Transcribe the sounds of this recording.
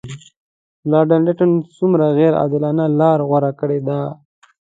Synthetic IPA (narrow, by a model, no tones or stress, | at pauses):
lɑɾɖanɖɪʈansumɾaɣɛɾɑ̰d̪ɪlɑnalɑɾɣwaɾakəɽed̪a